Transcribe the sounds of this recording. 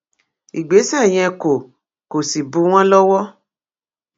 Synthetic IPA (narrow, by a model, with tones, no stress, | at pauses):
i˨ɡ͡be˨˦sj̃ɛ̃˧ko˨ | ko˨si˨bu˨˦w̃ɔ̃˦lɔ˦wɔ˦